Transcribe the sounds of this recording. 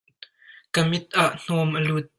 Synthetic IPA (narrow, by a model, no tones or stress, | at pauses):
kəmɪt̪̚ʔaʔn̥ɔmʔəlut̪̚